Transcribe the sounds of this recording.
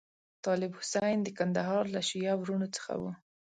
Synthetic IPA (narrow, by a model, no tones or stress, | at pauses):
t̪ɑlɪbhʊsajnd̪əkand̪aɦɑɾlaʃijɑwɾunot͡sə̥xa̰wṵ